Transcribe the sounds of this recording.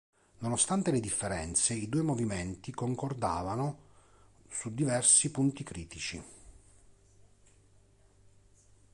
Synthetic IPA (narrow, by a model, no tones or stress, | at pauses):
nonost̪ant̪eled̪ifːeɾɛnt̪seid̪uːemoviment̪ikoŋkord̪aːvano | sud̪ːivɛrsipunt̪ikɾiːt̪it͡ʃi